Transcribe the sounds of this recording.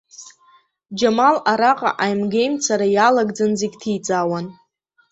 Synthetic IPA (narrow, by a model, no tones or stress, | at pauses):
d͡ʒamalaɾaqʼa̰ʔajmɡejmt͡sʰaɾajalaɡd͡zanzeɡʲtʰit͡sʼaːwan